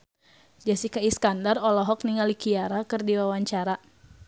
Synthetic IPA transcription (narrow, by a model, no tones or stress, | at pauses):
d͡ʒasikaiskandarɔlɔɦɔk̚niŋalikiaɾakɨrdiwawaɲt͡ʃaɾa